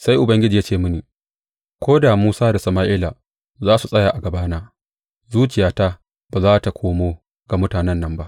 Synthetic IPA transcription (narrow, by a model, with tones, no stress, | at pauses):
sa˦jʔʊ˨bɐ˦ŋɡʲɪ˦d͡ʒi˨ja˦t͡ʃeː˦˨mʊ˦niː˨ | kʷoː˦da˨muː˦saː˦da˨sɐ˨maː˦ʔɪː˦la˨ | zaː˦su˨sʼɐ˦ja˨ʔa˨ɡɐ˨baː˦naː˦ | zuː˦t͡ʃɪ˨jaː˦ta˦ | baː˨zaː˦ta˨kʰʷoː˦moː˦ | ɡ̥a˨mʊ˦taː˨nɛ˦nːɐ˨mba˦ʔ